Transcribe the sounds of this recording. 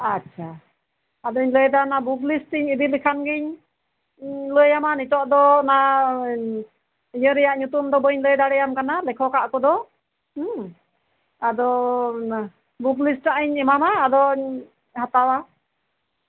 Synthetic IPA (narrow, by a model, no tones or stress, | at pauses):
atːt͡ʃʰa | ad̪ɔɲləjd̪anabuɡlisʈiɲib̪ilikʰanɡiɲ | ləjamanit̪ɔʔd̪ɔna | ijəɾɛjaʔɲut̪umd̪ɔbəɲləjd̪aɽɛjamkanalɛkʰɔkaʔkɔd̪ɔ | ad̪ɔ | buɡlisʈaʔiɲɛmamaːd̪ɔɲ | hat̪awa